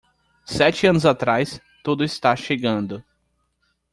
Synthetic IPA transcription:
sɛt͡ʃɪɐ̃nʊzat̪ɾajs | t̪ud̪ʊɪst̪aʃeɡɐ̃nd̪ʊ

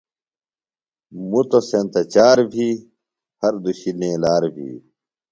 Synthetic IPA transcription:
mut̪osent̪ɐt͡ɕaːɾbʱiː | hɐɾd̪uɕinẽːlaːɾbʱḭː

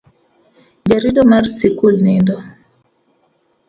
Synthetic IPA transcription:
d͡ʒaɾidɔmɛrsikulnindɔ

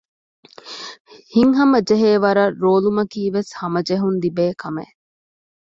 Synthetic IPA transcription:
hiŋɦɐmɐd͡ʒeɦeːʋɐɾɐɾoːlumɐkiːʋeshɐmɐd͡ʒeɦund̪ibeːkʰɐmḛ

